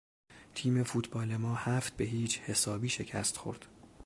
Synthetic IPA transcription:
t̪ʰiːme̞fuːt̪ʰbɒːlemɒːhæft̪̚be̞ɦiːt͡ʃhe̞sɒːbiːʃe̞cʰæ̰st̪xo̞̰ɾd̪̥

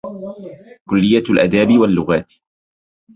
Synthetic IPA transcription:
kʊlːɪjːalʔad̪aːbɪwalːʊɣaːt̪

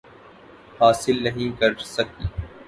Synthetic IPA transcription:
haːsɪlnɐɦĩkɐɾsɐk̪̚iː

